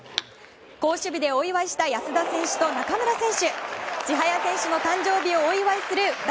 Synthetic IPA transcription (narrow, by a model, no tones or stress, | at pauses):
ko̞ːɕɨbʲid̪e̞o̞iβaiɕi̥t̪ajasɨd̪asẽ̞ɰ̃ɕɨ̥t̪o̞nakamɯ̟ɾasẽ̞ɰ̃ɕɨɕiɦajasẽ̞ɰ̃ɕɨno̞t̪ãɲ̟d͡ʑo̞ːbʲio̞ːiβaisɨɾɯ̟d̪